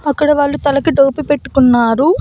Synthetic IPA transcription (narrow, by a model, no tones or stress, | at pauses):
ɐkːɐɽɐʋaːɭːut̪ɐlɐkiɖoːpipe̞ʈːu̥kunːaːɾu